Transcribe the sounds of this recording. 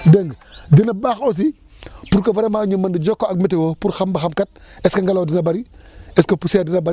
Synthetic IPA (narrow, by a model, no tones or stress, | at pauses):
dəŋɡdinɐbaxos̬i | puɾkɐvɐɾemaːɲumːɐndid͡ʒɔkːoɐk̚mɛtewopuɾxɐmbɐxɐmkɐt̚ɛskɐŋɡɐloːdinɐbɐɾiɛskɐpusedinɐbɐi